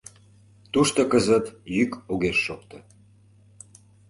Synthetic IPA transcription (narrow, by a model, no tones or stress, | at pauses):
t̪uʃt̪okəzət̪jykoɣeʃːokt̪o